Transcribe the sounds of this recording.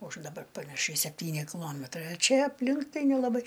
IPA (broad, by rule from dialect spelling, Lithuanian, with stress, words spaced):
ʊʃ dɐˈbɐr pɐnɐˈʃʲɛɪ sʲɛpʲˈtʲiːnʲɪ kʲɪˈlˠoːmʲɛtrɐɪ ɐ ˈt͡ʃʲɛ ɐpʲˈlʲɪŋk ˈtɐɪ nʲɛlˠɐˈbɐɪ